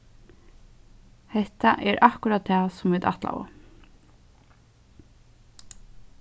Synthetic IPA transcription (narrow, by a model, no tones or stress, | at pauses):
hɛht̪aʔɛɾʔahkʊɾaːd̪̚t̪ʰɛːsʊmʋiːd̪a̰t̪la̰ʋʊ̰